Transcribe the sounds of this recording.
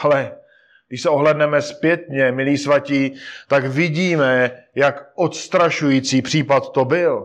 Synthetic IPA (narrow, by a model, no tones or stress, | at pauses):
alɛ | ɡdɪʃsɛoɦlɛdnɛmɛspjɛt̪ɲɛmɪliːsvaciːt̪akvɪɟiːmɛjakʔot̪st̪ɾaʃujit͡siːpr̝̥iːpat̪t̪o̞bɪl